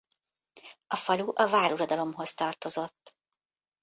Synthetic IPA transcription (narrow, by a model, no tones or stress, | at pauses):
ɒfɒluʔɒvaːɾuɾɒd̪ɒlo̞mɦo̞st̪ɒrt̪o̞zo̞t̪ː